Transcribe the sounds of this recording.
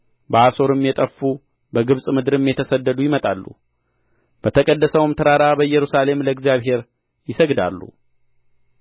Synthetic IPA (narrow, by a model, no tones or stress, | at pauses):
bəaso̞ɾɨmjɛt̪ʼəfːu | bəɡɨβsʼmɨd̪ɨɾɨmjɛt̪ʰəsəd̪ːəd̪ujɪmət̪ʼalːṵ | b̥ət̪ʰəkʼəd̪ːəsəwmt̪ʰəɾaɾabəjɛɾusale̞mləɡzjaβɦe̞ɾ | jɪsəɡd̪a̰lːṵ